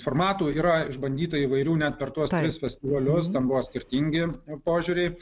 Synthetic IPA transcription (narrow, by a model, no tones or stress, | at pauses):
foːrmɑːt̪uːiːɾɐɪʒbɐnʲd̪ʲiːt̪ɐiʋɐɪɾʲuːnʲæt̪̚pʲɛrt̪uɔst̪ʲɾʲɪsfʲɛsʲt̪ʲɪʋɐlʲʊst̪ɛnbʊʋoːsʲkʲɪɾʲt̪ʲiŋʲɡʲɪpoːʒʲuːɾʲɛɪ